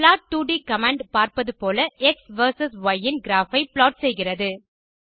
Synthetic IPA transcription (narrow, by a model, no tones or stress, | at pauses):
plaːʈʈːuːɖikɐmãːɳɖpaːɾpɐðɯpoːlɐʔɛksʋɐɾsɐsʋɐjːɪnɡɪɾaːfɐɪpɪloːʈ̚sɛjɣɪrɐðɯ